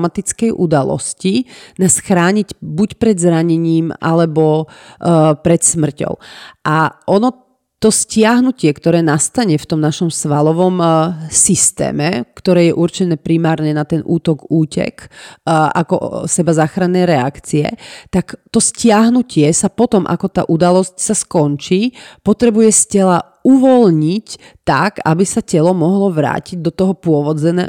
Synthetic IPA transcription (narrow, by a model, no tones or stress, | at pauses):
mat̪it͡skɛjʔud̪alɔ̰scinaːsxɾaːɲicbucpɾɛd̪zɾaɲɛɲiːmʔa̰lɛbɔ | pɾɛt̪smr̩cɔ̰ʊʔaʔɔnɔ | t̪ɔscɪaɦnucɪɛkt̪ɔɾɛːnast̪aɲɛft̪ɔmnaʃɔmsʋalɔʋɔmsist̪ɛ̰ːmɛkt̪ɔɾɛːjɛʔurt͡ʃɛnɛːpɾimaːɾɲɛnat̪ɛnʔuːt̪ɔɡuːcɛ̰k | ʔakɔ̰sɛbazaːxɾanːɛːɾɛakt͡siɛ̰t̪akt̪ɔscɪaɦnucɪɛsapɔt̪ɔmʔa̰kɔt̪a̰ːʔud̪alɔscsaskɔnt͡ʃiːpɔt̪ɾɛbujɛscɛla | uʋɔlɲic | t̪aɡabisacɛlɔmɔɦlɔʋɾa̰ːciɟ̚d̪ɔt̪ɔɦɔpʊɔʋɔd͡zɛnɛ̰ː